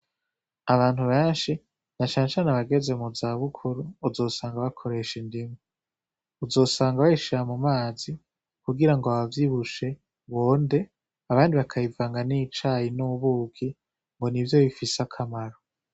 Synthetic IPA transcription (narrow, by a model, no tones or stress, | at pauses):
aβaːn̥huβeːnʃi | nat͡ʃaːnet͡ʃaːneβaɡe̞ze̞muzaβukʰuɾuːzo̞ːsaːŋɡaβakʰo̞ɾe̞ʃindimwe | uzo̞ːsaːŋɡaβaiʃiamumaːzi | kuɡiɾaŋɡoaβavjiβuʃe̞ | βoːnde̞ | aβaːndiβakʰajivaːŋɡanit͡ʃajinuβuːɡɡi | ŋɡo̞nivjo̞βifisakʰamaɾo